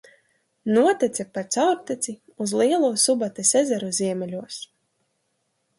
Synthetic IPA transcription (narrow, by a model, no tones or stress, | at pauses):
nuɔt̪ɛt̪sʲɛpaɾt̪sawɾt̪ɛt̪sʲi | uzlˠiɛlˠuːsubat̪ɛsɛzɛɾuziɛmʲɛlʲuɔs